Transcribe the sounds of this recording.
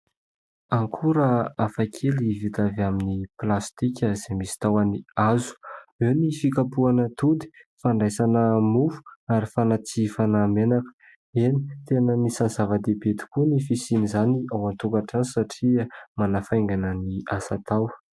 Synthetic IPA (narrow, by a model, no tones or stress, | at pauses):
aŋkʰuɾəafakʰelivit̪avaminiplast̪ikʲəzemisi̥t̪awaniazu̥ewnifikapuanət̪ud̪i̥faɳɖ͡ʐajsanəmufu̥aɾifanat͡sifanaːmenakə̥ | enit̪enənisanzavəd̪ebet̪i̥kunifisinizaniawant̪ukaʈ͡ʂanisaʈ͡ʂiamanafajŋɡanəniasat̪aw